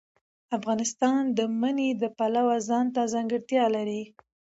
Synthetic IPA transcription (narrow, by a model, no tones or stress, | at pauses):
afɣɑnɪst̪ɑnd̪əməned̪əpalawazɑnt̪azɑŋɡəɽt̪jɑlaɾi